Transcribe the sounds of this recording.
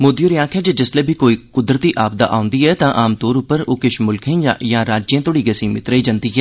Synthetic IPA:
moːd̪ijoːɾɪjaːkʰɛːd͡ʒeːd͡ʒɪsleːbʱiːkoːiːkʊd̪ɾət̪iːʔaːb̚d̪a̰ːʔaːʊ̃nd̪iːɛːt̪ãːʔaːmt̪oːɾʊpːəɾoːkɪʃmʊlkʰẽjãːɾaːd͡ʒjãːt̪oːɽiːɡəsĩːmɪt̪ɾəiːd͡ʒãnd̪iːɦɛː

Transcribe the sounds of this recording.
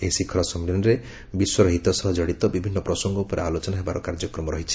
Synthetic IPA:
eɦisikʰɔɭɔsɔmilɔnɾe | biswɔɾɔɦit̪ɔsɔɦɔd͡ʒɔɽit̪ɔbibʱinːɔpɾɔsɔŋɡɔupɔɾealot͡ʃɔnaɦebaɾɔkaɾd͡ʒɔkɾɔmɔɾɔɦit͡ʃʰi̥

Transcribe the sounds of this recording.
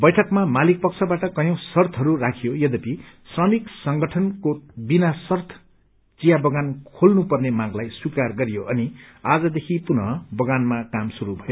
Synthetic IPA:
bʌjʈʰʌkmamalik̚pʌk̚t͡sʰʌbaʈʌkʌjʌ̃w̃sʌrt̪ʰʌɾurakʰijojʌd̪ʌpi | srʌmiksʌŋɡʌʈʰʌnkobinasʌrt̪ʰ | t͡sijabʌɡankʰolnupʌrnemãɡlajswikarɡʌɾijoʔʌniad͡zʌd̪ekʰipunʌbʌɡanmakamsuɾubʱʌjo

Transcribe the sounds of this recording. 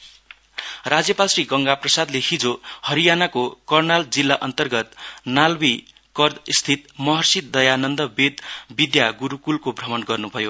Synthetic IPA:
rad͡zjʌpalsriɡʌŋɡaprʌsad̪lehid͡zohʌɾijanakokʌrnald͡zilːaʔʌnt̪ʌrɡʌt̪nalwi | kʌrd̪st̪ʰit̪mʌɦʌrsit̪̚d̪ʌjanʌnd̪ʌbed̪bid̪jaɡuɾukulkobʱrʌmʌnɡʌrnubʱʌjo

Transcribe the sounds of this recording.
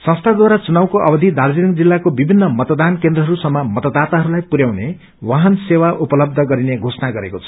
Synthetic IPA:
sʌ̃st̪ʰad̪waɾat͡sunawkoʔʌbʌd̪ʱid̪ard͡zinʌŋɡd͡zilːakobibʱinːʌmʌt̪ʌd̪ankend̪rʌɦʌɾusʌmːʌmʌt̪ʌd̪at̪aɦʌɾulajpuɾjawne | waɦʌnsewaʔupʌlʌb̚d̪ʱʌɡʌɾineɡʱosnaɡʌɾekot͡sʰʌ̥

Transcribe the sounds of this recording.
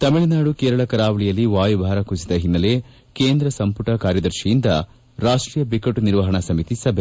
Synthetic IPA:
t̪ɐmiɭɐnaːɽukeːɾɐɭɐkɐɾaːʋɐɭijɐlːiʋaːjubʱaːɾɐkusid̪ɐɦinːɐle̞ | keːnd̪ɾɐsɐmpuʈɐkaːɾjɐd̪ɐɾʃijind̪ɐ | ɾaːʂʈɾiːjɐbikɐʈːuniɾʋɐɦɐɳɐsɐmit̪isɐbʱe

